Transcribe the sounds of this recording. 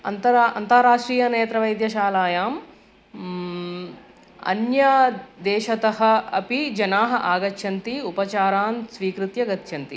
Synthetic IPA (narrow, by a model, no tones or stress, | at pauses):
ɐ̰nt̪ɐɾɐnt̪ɐɾaːʂʈɾiːjɐneːt̪ɾɐʋɐjd̪jɐʃaːlaːjaːm | ɐ̰njaːd̪ɛːʃɐt̪ɐɦɐ̆ɐpid͡ʒɐnaːɦɐʔaːɡɐtːʃʰɐnt̪iupɐt͡ʃaːɾaːnsʋiːkɾut̪jɐɡɐt̪ʃɐnt̪i